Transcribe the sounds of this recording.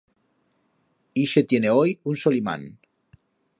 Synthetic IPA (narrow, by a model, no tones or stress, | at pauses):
iʃet̪jeneojunsolima̰n